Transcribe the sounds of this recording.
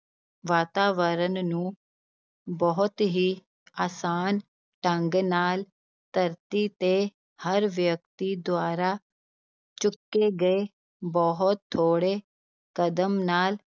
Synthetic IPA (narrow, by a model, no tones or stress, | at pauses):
ʋaːt̪aːʋəɾənnũ | bɔɦʊt̪ɦi | aːsaːn | ʈə̃ŋɡnaːl | t̪əɾt̪it̪e | həɾʋjək̚t̪id̪ʊaːɾa | t͡ʃʊkːeɡɐe | bɔɦʊt̪ʰːoːɽe | kəd̪əmnaːl